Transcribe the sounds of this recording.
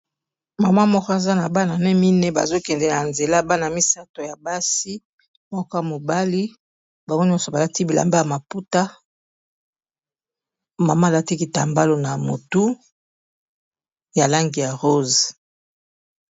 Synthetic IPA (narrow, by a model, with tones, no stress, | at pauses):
ma˨ma˦mɔ˦kɔ˦a˨za˦na˨ba˦na˨nɛ˦mi˦nɛ˦ba̰˨zo˦kɛ˨ndɛ˨a˨nze˨la˦ba˦na˨mi˦sa˦to˨ja˨ba˦si˦ | mɔ˦kɔ˦ja˨mo˨ba˦li˦ | ba˨o˦ɲ˦ɔ˦sɔ˨ba˨la˦ti˦bi˨la̰˨mba˦ja˨ma˨pu˦ta˦ | ma˨ma˦˨la˦ti˦ki˨ta˨mba˦lo˦na˨mo̰˨tu˦ | ja˨la˦ŋɡi˨ja˨ʁo˦z